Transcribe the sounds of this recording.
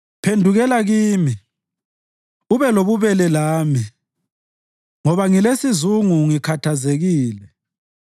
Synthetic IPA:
pʰendʱuɣɛlaɣiːmi | uβɛloβuβɛlɛlaːmi | ŋɔβaŋilesizuŋuŋikʰatʰazeɣiːlɛ

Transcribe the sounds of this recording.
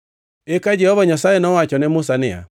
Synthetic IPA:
ekad͡ʒɛhɔβaɲasaenɔwat͡ʃɔnɛmosanea̰

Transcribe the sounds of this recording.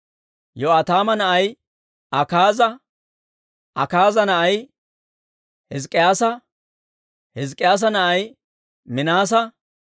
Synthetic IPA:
jɔɐt̪aːmɐnɐʔɐj | ɐkaːzɐ | ʔɐkaːzɐnɐʔɐj | hɪzkʼɪjaːsɐ | hɪzkʼːɪjaːs̬ɐnɐʔɐj | mɪnaːs̬ɐ

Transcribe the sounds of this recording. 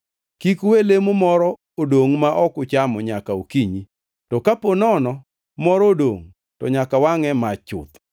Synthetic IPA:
kikwelemomɔɾɔ | odoŋmaʔɔkʊt͡ʃamɔɲakaokiɲi | tɔkaponɔnɔ | mɔɾɔdoŋ | tɔɲakawaŋɛmat͡ʃʊ̰t̪

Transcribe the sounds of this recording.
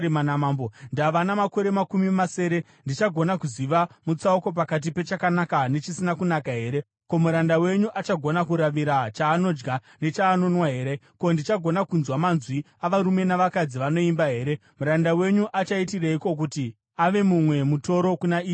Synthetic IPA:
manamaːmbondaʋanamako̞ɾe̞makumimase̞ːɾe̞ | ndit͡ʃaɡʱonakuziʋamut͡sauko̞p̬akat̬ipe̞t͡ʃakanakane̞t͡ʃisinakunakaɦe̞ːɾe̞ | ko̞muɾandawe̞ɲuʔat͡ʃaɡʱo̞nakuɾaʋiɾat͡ʃaːno̞d͡ʒɡa | ne̞t͡ʃaːno̞nwaɦe̞ːɾe̞ko̞ndit͡ʃaɡʱo̞nakunzwamanzwi | aʋaɾume̞naʋakad͡ziʋano̞imbaɦe̞ːɾe̞muɾandawe̞ɲuʔat͡ʃaitiraiko̞k̬uti | aʋe̞mumwe̞muto̞ɾo̞kunaiː

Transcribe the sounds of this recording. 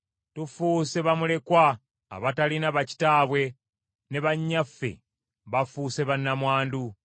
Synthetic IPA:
tufuse̞βamule̞kwa̰ː | βatalinaβaci̥taːβwe̞ | ne̞βaɲːafːe̞̰ | βafuːse̞βanːamwaːndu

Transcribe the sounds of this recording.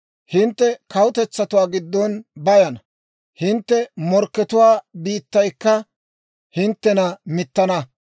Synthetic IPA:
hɪnt̪ːɛkɐwʊt̪ɛt͡sːɐt̪ʊwaːɡɪd̪ːɔnbɐjɐnɐ | hɪnt̪ːɛmɔɾkːɛt̪ʊwaːbiːt̪ːɐjkːɐ | hɪnt̪ːɛnɐmɪt̪ːɐnɐ

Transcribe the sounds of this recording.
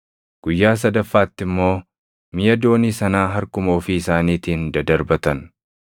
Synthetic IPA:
ɡ̥ʊjːaːs̬ɐd̪ɐfːaːt̪ːɪmːo̞ː | mɪjɐd̪o̞ːniːsɐnaːɦɐɾkʊmo̞ːfiɪsaːniːt̪iːnd̪ɐd̪ɐɾbɐt̪ɐn

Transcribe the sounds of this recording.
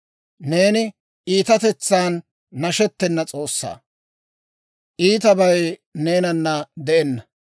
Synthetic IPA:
ne̞ːnɪ | ʔiːt̪ɐt̪ɛt͡sːaːnː | ɐʃɛt̪ːɛnːɐt͡sʼo̞ːsːa̰ː | ʔiːt̪ɐbɐjne̞ːnɐnːɐd̪ɛʔɛnːɐ

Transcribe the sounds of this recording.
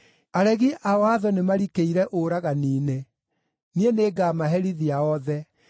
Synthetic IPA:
aɾɛɣiʔaɔaðɔnemaɾikeiɾɛʔoɾaɣaniːne | nieneːɡaːmaɦɛɾiðiaɔðɛ

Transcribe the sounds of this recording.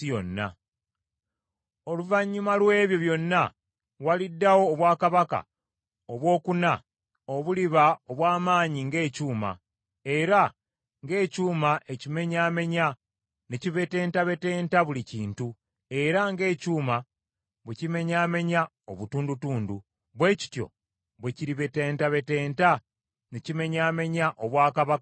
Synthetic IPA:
ijo̞nːa̰ | o̞luvaɲːumalwe̞ːβjo̞βjo̞nːa | walidːawo̞ːβwaːkaβaka̰ | oβwo̞ːkuna | oβuliβaoβwaːmaːɲiŋɡe̞ːcuːma̰ | e̞ɾa | ŋɡe̞ːcuːmaʔe̞cime̞ɲaːme̞ɲa | neciβe̞te̞ːntaβe̞te̞ːntaβuliciːntu | e̞ɾaŋɡe̞ːcuːma | βucime̞ɲaːme̞ɲa | oβutuːndutuːndu | βwe̞ːci̥tjo̞̰ | βweciɾiβe̞te̞ːntaβe̞te̞ːnta | necime̞ɲaːme̞ɲaʔoβwaːkaβaka

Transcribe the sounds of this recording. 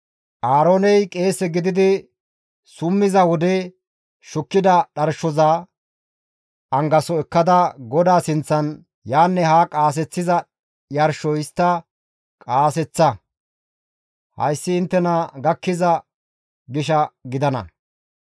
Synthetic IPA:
ʔaːɾoːnɛjkʼe̞ːsɛɡɪd̪ɪd̪ɪ | sʊmːɪzɐwɔd̪ɛ | ʃʊkːɪd̪ɐɗɐɾʃɔzɐ | ʔɐŋɡɐsɔɛkːɐd̪ɐɡɔd̪aːsɪnt͡sːɐn | jaːnːɛɦaːkʼaːs̬ɛt͡sːɪzɐ | jɐɾʃɔɪst̪ːɐ | kʼaːsɛt͡sːɐ | hɐ̰jsːɪːnt̪ːɛnɐɡɐkːɪzɐ | ɡɪʃɐɡɪd̪ɐnɐ̰

